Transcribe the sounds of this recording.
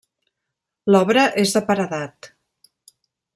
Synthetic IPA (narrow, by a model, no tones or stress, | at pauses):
lɔβɾəʔezðəpəɾəðat̪